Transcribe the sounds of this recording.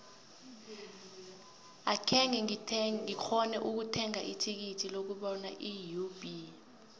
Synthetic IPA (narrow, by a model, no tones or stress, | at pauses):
akʰɛŋɛik͡xʰɔnɛʔuk̬utʰɛŋaʔitʰik̬itʰilok̬uɓɔna̰ʔijub̥ʱi